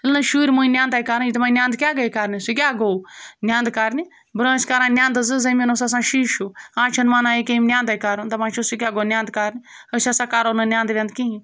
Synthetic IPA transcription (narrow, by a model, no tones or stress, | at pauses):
ilnɐʃuːɾʲmuĩnjãːnd̪aːjkaːɾit̪maːnʲjãːnd̪kʲaːɡɐikaːɾnʲisik̬ʲaːɡoːnʲjãːnd̪kaːɾni | bɾõːskaːɾãːnjãːnd̪ɨzɨzɐmʲɐnosas̬ãːʃiːʃʰuãːt͡ʃʰɐnmaːnãːikʲemʲnʲjãːnd̪aːjkaːɾɐnt̪ɐmaːt͡ʃʰusikʲaːɡoːnjãːnd̪̚kaːɾnʲi | əsʲasaːkaːɾoːnɨnʲjãːnd̪ɾʲjãːnd̪kiĩ